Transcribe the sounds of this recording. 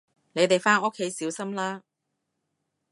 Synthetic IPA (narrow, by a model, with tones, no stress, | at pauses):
ne˨˧jt̪e˨jfaː˥no˥kʰːe˨˥jsiː˨˥wsɐ˥mlaː˥